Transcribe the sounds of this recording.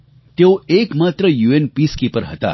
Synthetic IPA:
t̪eoekmat̪ɾəjuːenpiskipəɾɦət̪a̰

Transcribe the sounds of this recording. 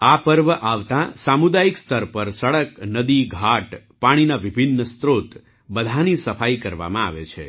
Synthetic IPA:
apəɾʋəʔaʋt̪ãsamud̪ajikst̪əɾpəɾsəɭəknəd̪iɡʱaʈ | paɽ̃inaʋibʱinːəst̪ɾot̪ | bəd̪ʱanisəfaikəɾʋa̰mãa̰ʋet͡ʃʰḛ

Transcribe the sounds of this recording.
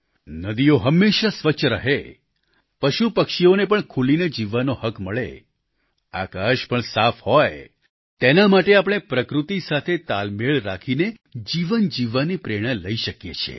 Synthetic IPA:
nəd̪ioɦəmːeʃasʋət͡ʃʃʰɾəɦe | pəʃupəkʃionepəɳkʰulined͡ʒiʋanohəkməɭḛ | a̰kaʃpəɳsafhɔj | t̪enamaʈeapəɽ̃epɾəkɾut̪isat̪ʰet̪almeɭɾakʰine | d͡ʒiʋənd͡ʒiʋanipɾeɽ̃ə̃ləiʃəkjet͡ʃʰḛ

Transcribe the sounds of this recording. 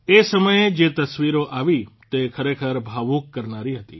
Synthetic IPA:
esəməjed͡ʒet̪əsʋiɾoʔaʋit̪ekʰəɾekʰəɾbʱaʋukːəɾnaɾiɦət̪ḭ

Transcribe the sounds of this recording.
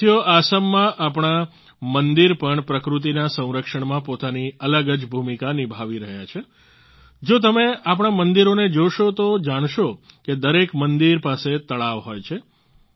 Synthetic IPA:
joʔasəmːãʔapɳ̃a | mənd̪iɾpəɳpɾəkɾut̪̬inasə̃w̃ɾəkʃəɳmãpot̪aniələɡəd͡ʒbʱumikanibʱaʋiɾəɦjat͡ʃʰe | d͡ʒot̪̬əmeapɳ̃amənd̪iɾoned͡ʒoʃot̪od͡ʒaɽ̃ʃoked̪əɾekmənd̪iɾpaset̪əɭaʋɦojt͡ʃʰe

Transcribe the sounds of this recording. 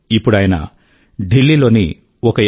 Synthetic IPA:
ipːuɽɐːjɐnɐ̰ | ɖilːilo̞ːni | ɔkɐ

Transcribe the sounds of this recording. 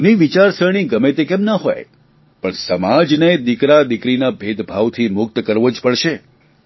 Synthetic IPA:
niʋit͡ʃaɾsəɳ̃iɡəmet̪ekɛmnaɦo̰j | pəɳsəmad͡ʒned̪ikɾad̪ikɾinabʱed̪bʱaʋt̪ʰimʊk̚t̪kəɾʋod͡ʒpəɭʃe

